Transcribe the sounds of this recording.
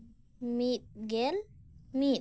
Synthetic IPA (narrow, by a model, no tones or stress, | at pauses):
mit̚ɡɛlmi